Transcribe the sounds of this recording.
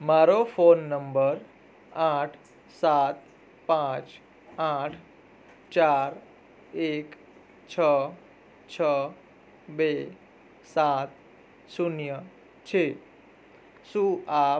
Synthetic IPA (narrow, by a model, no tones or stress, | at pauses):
maɾofonːəmbəɾ | aʈʰ | sat̪ | pãt͡ʃ | ãʈʰ | t͡ʃaɾ | ek | t͡ʃʰə | t͡ʃʰə | be | sat̪̚ | sunjə | t͡ʃʰe | sũa